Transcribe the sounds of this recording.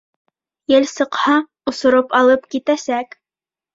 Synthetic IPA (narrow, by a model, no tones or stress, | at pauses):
jɘlsɤ̆qhɑ | ŏsŏɾopɑlˠɤpkit̪æsæk